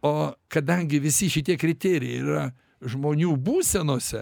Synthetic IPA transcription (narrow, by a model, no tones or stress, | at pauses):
oːkɐd̪ɐŋʲɡʲɪʋʲɪsʲɪʃʲɪt̪ʲiɛkɾʲɪt̪ʲeːɾʲɪjɛiɾɐ | ʒmoːnʲuːbuːsʲɛnoːsʲɛ